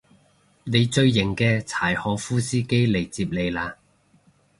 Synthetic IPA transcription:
ne˨˧jt͡ʃɵ˧ɥːɪ˨˩ŋkɛː˧t͡sʰaː˨˩jhɔː˨˥fuː˥siː˥ke˥jle˨˩jt͡siː˧p̚le˨˧jlaː˧

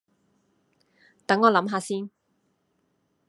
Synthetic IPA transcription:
t̪ɐ˨˥ŋɔː˨˧lɐ˨˧˥mɦaː˨˧siː˥n

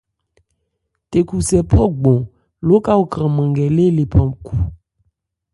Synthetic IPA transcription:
t̪e˨ku˨sɛ˨pʰɔ˦ɡ͡bɔ̃˨ | lo˦ka˦wo˦kɾã˨mɛ̃˨ŋɡɛ˨le˦le˨pʰɔ˨mkʰu˨

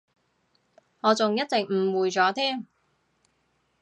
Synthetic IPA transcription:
ŋɔː˨˧t͡sʊ˨ŋjɐ˥t̚t͡sɪ˨k̚m̩˨˩wuː˨jt͡sɔː˨˥t̪ʰiː˥m

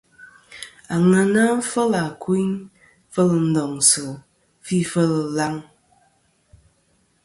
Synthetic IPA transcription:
a˨ŋə˨na˦fə˦la˨ki˦n | fə˦lə˨n̩˦dɔ˨ŋsɨ˨ | fi˦fə˦lə˨la˦ŋ

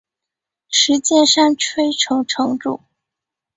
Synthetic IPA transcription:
ʂɻ̩˧˥t͡ɕjɛ˥˧nʂa˥˩ŋʈ͡ʂʰwe˥ɪʈ͡ʂʰɤ˧˥ŋʈ͡ʂʰɤ˧˥ŋʈ͡ʂu˥˩

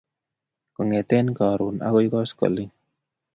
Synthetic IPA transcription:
ko˨ŋe˨t̪enkaː˨ɾu˨na̰˦kɔ˦jkɔ˦skɔ̰˨li

